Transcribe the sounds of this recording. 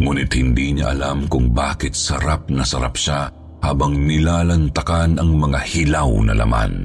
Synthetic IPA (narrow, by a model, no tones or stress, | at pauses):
ŋuːnɪt̪hɪnd̪iːɲɐʔɐ̰lamkʊŋbaːkɪt̪̚sɐɾap̚nɐsɐɾap̚ʃa | haːbɐŋnɪlaːlɐnt̪ɐkanʔɐŋmɐŋahɪlawnɐ̰lʔɐ̰ma̰n